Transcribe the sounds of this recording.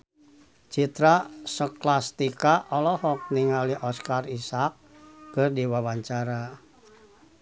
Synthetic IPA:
t͡ʃit̪ɾasəklast̪ikaʔɔlɔhɔk̚niŋaliʔɔskarisak̚ː | ɨrdiwawaɲt͡ʃaɾa

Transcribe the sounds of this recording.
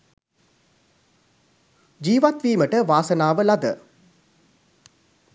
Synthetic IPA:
d͡ʒiːʋat̪ʋiːməʈəʋaːsənaːʋəlad̪ə̰

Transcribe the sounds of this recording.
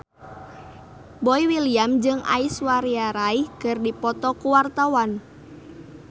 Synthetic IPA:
boiwiliamd͡ʒɨŋa̰iswaɾiaɾaikɨrdipɔt̪ɔkuwart̪awan

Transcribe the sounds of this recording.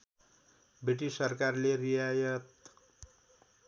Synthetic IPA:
biʈisʌɾkaɾleɾijajʌt̪

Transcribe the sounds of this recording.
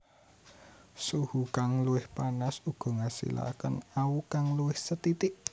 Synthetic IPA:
suhukaŋluwɪhpanasuɡ̥ɔ̤ŋasḭla̰kənaukaŋluɪhsət̪it̪ɪʔ

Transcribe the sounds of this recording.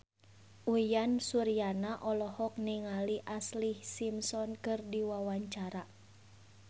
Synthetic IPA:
ʔujansuɾianaʔɔlɔhɔk̚niŋaliʔaslihsimsɔnkɨrdiwawaɲt͡ʃaɾa

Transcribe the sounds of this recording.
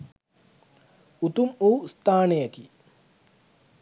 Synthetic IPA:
ut̪umuːst̪aːnejɐki

